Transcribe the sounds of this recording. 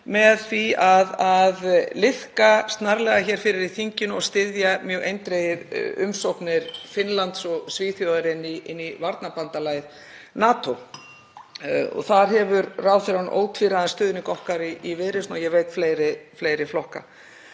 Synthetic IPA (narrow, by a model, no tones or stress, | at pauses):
mɛðθviaðaðlɪhkast̪naɾlɛːɣaçɛːɾ̥fɪɾɪɾiθiɲcɪnɔɣst̪ɪðjamjœːɣʔejnt̪ɾejɪɾʏmsowhpnɪɾ̥fɪnlant̪sɔɣsviːθjowðaɾɪnːiɪnːivaɾt̪napant̪alaːjð | naːt̪ow | ɔ̰ɣθaɾ̥ɦɛvʏɾraːwθɪɾanʔo̰ːwt̪ʰviɾaðanst̪ʏːðʏnɪkɔhkaɾɪivɪːɾɪstnɔjɛveːjt̪fleːjɾɪfleːjɾɪflɔhka̰